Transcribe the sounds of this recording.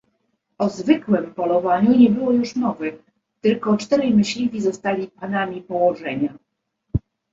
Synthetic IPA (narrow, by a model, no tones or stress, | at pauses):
ɔzvɘkwɛmpɔlɔvaɲuɲɛbɘwɔjuʂnɔvɛx | t̪ɘlkɔt͡ʂt̪ɛɾɛmɘɕlʲivʲizɔst̪alʲipanamʲipɔwɔʐɛɲa